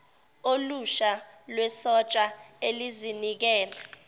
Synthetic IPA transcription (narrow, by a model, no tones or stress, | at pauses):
oluʃa | lwɛsɔt͡ʃʼaelizinik̬ɛːla